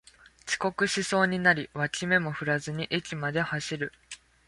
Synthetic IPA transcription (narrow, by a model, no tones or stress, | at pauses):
t͡ɕi̥ko̞kɯ̟ɕiso̞ːɲ̟inaɾʲiβakʲime̞mo̞ɸɯ̟ɾazɨɲ̟iʔekʲimad̪e̞haɕiɾɯ̟